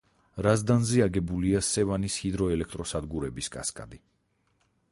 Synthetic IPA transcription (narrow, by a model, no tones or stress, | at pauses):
ɾazd̪anziaɡɛbuliasɛvanishid̪ɾɔɛlɛk̚ʰt̪ʼɾɔsad̪ɡuɾɛbiskʼa̰skʼa̰d̪i